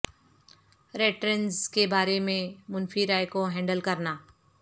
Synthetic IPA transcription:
ɾeːʈɾənzkebaːɾemẽmʊnfiɾaːjkoɦɛ̃ːɳɖəlkɐɾnaː

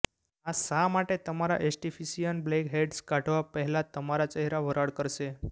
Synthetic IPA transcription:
asamaʈet̪əmaɾa̰ʔesʈifisijənblekɦeɖskaʈʰʋapəɦɛlat̪ːəmaɾat͡ɕəɦɾaʋəɾaɽkəɾse

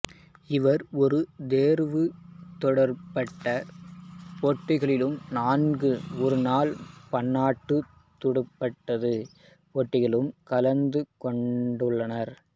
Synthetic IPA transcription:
ɪʋɐɾɔɾɯd̪eːɾʋɯt̪ɔɽɐɾpɐʈːɐ | poːʈːɪɣɐɭɪlɯmnaːnɡɯɔɾɯnaːlpɐɳːaːʈːɯ | t̪ːʊɽɯpːɐʈːɐðɯ | poːʈːɪɣɐɭɯmkɐlɐnd̪ɯkɔɳɖɯɭːɐnɐɾ

